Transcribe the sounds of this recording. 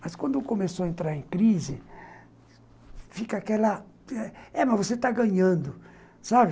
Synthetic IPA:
mɐskwɐ̃nd̪ʊkõmesoɐẽnt̪ɾaɾẽkɾizɪ | fikɐakɛlɐ | ɛɛmɐzvoset̪aɡɐ̃ɲɐ̃nd̪ʊ | sabɪ

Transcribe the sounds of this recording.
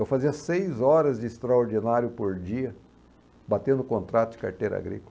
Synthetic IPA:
ewfaziɐsejzɔɾɐzd͡ʒɪːst̪ɾaoɾd͡ʒinaɾjʊpoɾd͡ʒiɐ | bat̪ẽnd̪ʊkõnt̪ɾat̪ʊd͡ʒɪ̥ka̰ɾt̪ejɾɐ̰a̰ɡɾḭkʊl

